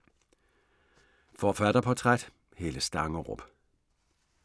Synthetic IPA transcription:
fɒːfæɾ̥ɐpʰɒ̽t͡sʰʁad̥ | he̝ːləsd̥ɑ̈ŋəʁɔ̰b̥

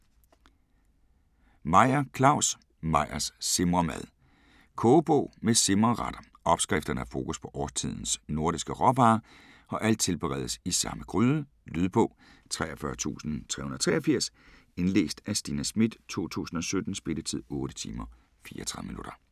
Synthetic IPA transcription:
mɑ̈ɪ̰ɐkʰlɑ̈ʊ̰s | mɑ̈ɪ̰ɐsːe̝mʁɐmæðˠ | kʰɔːb̥ɔʊ̰mese̝mʁɐʁɑd̥ɐ | ɒ̽b̥sɡ̥ʁɛfd̥ɐnəæɐfo̝ːkuspʰɒ̽ʔɒːst͡sʰið̞̰ˠn̩sno̝ɐɾisɡ̥əʁɒb̥ɑ̈ː | ɒ̽ʔæl̰d̥̚t͡sʰe̝lb̥əʁɛð̞ˠsisɑ̈məɡ̥ʁyːðˠə | lyð̞ˠb̥ɔ̰̽ʊ̰ | t͡sʰʁɛːɒfɶɐt͡sʰṵːsn̩t͡sʰʁɛ̰hunð̩ˠɐ̥t͡sʰʁɛːɐfiɐ̰s | e̝nlḛːsd̥æsd̥iːnæsmid̥t͡sʰo̝̰ːt͡sʰṵːsn̩ɒ̽sød̥n̩sb̥e̝d̥ət͡sʰið̰ˠɔ̽ːɾ̥ət͡sʰḭːmɐ | fiːɐt͡sʰʁɑ̈ðˠminuɾ̥ɐ

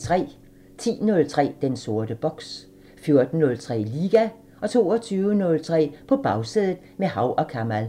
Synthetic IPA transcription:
t͡sʰʁɛ̰ː | t͡sʰḭːnɔ̽lt͡sʰʁɛ̰ːd̥enso̝ɐd̥əb̥ɒ̽ɡ̥s | fjo̝ɐd̥n̩ːɔ̽lt͡sʰʁɛ̰ːliːɡ̥æ | ɒ̽t͡sʰo̝̰ːɒt͡sʰyːʊənɔ̽lt͡sʰʁɛ̰ːpʰɒ̽b̥ɑ̈ʊseðˠð̩ˠmehɑ̈ʊʔɒ̽kʰæmæl

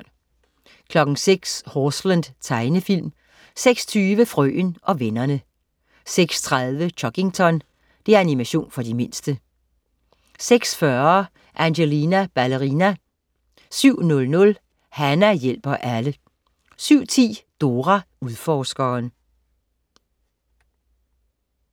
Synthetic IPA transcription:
kʰlɒ̽ɡ̥ŋ̩seɡ̥shoslænd̥t͡sʰɑ̈ɪnəfil̰m | seɡ̥st͡sʰyːʋəfʁœ̰ːnʔɒ̽ʋenɐnə | seɡ̥st͡sʰʁaðˠʋət͡ɕʰɒ̽ɡ̥e̝ŋt͡sʰɒ̽n | d̥e̝æɐænimæɕo̝̰ːnfɒ̽d̥ime̝nsd̥ə | seɡ̥sfɶɐ | ʔænɕelinæb̥æləʁinæ | syʊ̰nɔ̽lnɔ̽l | hænæjel̰b̥ɐʔælə | syʊ̰t͡sʰḭːd̥o̝ːʁæ | uðˠfɒːsɡ̥ɐːn

